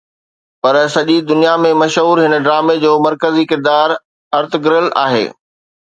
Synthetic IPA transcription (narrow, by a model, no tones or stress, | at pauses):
pɐɾsɐʄid̪ʊnijamẽmɐʃɦuːɾɦɪnəɖɾaːmed͡ʑoːmɐɾkəzikɪɾd̪aːɾ | ɐɾt̪ɪɡɪɾəla̰ːɦḛː